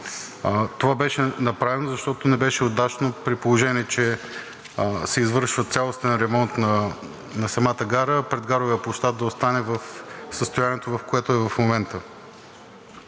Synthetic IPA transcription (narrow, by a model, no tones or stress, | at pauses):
t̪ovabɛʃɛnɐpɾavɛnozɐʃt̪ɔt̪onɛbɛʃɛod̪at͡ʃnopɾipolˠoʒɛniɛt͡ʃɛ | sɛizvɤɾʃvət̪sʲjalˠost̪ɛnɾɛmɔnt̪nɐ | nɐsɐmat̪əɡaɾəpɾɛd̪̚ɡaɾovəjəplˠoʃt̪ad̪ɐost̪anɛvɐfsəst̪ojaniɛt̪ovɐfkoɛt̪ʊɛvɐfmomɛnt̪ə